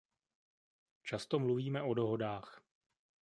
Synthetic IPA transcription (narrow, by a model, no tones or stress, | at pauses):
t͡ʃast̪o̞mluviːmɛʔo̞do̞ɦo̞daːx